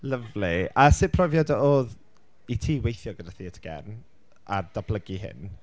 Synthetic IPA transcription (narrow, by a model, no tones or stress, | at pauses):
ləvliasɪpʰrɔvjadəʔoːð | itʰiːwejθjɔɡədaθiətʰə̥ɡ̥ɛ̰rn | adabləɡiɦɪ̰n